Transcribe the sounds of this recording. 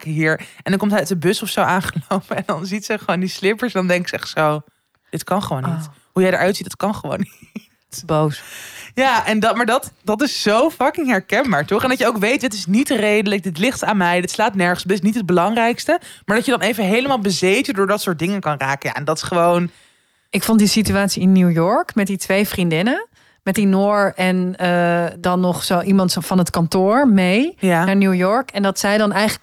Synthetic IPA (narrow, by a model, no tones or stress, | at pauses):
kɦiːɹɛndɑŋkɔmtɦɛœtəbɵsɔfsowaːnχəlowpəɛndɑnzitsəχʋoːndislɪpəɹsdɑndɛŋkɪksəɛ̰χtsow | d̥ɪtkɑnχəʋownnit | ɦujɛjdə̰ɹʔœɥtsitdɑtkɑnχəʋo̰wni | tbosjaːʔɛndmaːɹdɑtdɑtɪsːowfɑkɪŋɦɛɹkɛnbaːɹtɔχɛndɑtjəowkʋejt̚dɪtɪsnitrejdələk̚dɪtlɪχtaːnmɛjdɪtslaːtnɛɹχəsdɪtɪsnitɦəd̚bəlɑŋrɛjkstəmaːɹdɑtjədɑnejvəɦejləmaːlˠbəzejtəndʊːɹdɑtsʊːɹt̚dɪŋənkɑnraːkəja̰ːɛndɑtɪ̥sχəʋown | ʔɪkfontdisityaːtsiɪnːuwjɔɹkmɛt̚ditʋejfrindɪnə | mɛt̚dinoːɹɛnədɑnːɔχsowʔimɑntfɑnɦətkɑntʊːɹmejnaːɹnjuwjɔɹkɛndɑtsɛjdɑnɛjχ